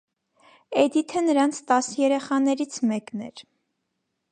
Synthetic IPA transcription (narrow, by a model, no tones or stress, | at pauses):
ɛd̪it̪ʰənəɾɑnt͡sʰt̪ɑsjɛɾɛχɑnɛɾit͡sʰmɛknɛ̰ɾ